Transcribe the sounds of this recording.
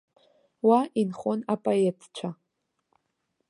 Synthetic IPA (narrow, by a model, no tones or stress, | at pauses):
wainχonapʼoetʰt͡ʃʷʰa